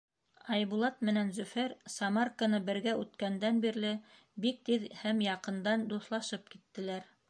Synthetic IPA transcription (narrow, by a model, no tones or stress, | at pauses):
ɑjβulˠɑt̪mɘ̆nænzɵ̆fæɾsɑmarkanɤbɘ̆ɾɡæʔʉt̪kænd̪ænbiɾlɘ | bik̚t̪iðhæmjɑqɤ̆nd̪ɑnd̪uθlˠɑʃɤp̚kit̪ːɘ̆læɾ